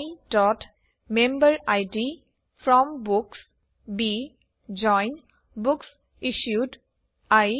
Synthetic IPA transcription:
dɔt | mẽmbəɹajdi | pʰɹɔmbuks | bi | d͡ʒɔjn | buks | iʃjud | a

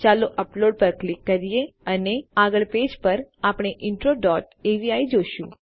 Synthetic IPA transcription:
t͡ʃaloʔəploɖ̚pəɾklɪkːəɾijeəneaɡəɭped͡ʒpəɾapɽ̃eʔɪɳʈɾoɖɔʈ | eʋiaid͡ʒoʃũ

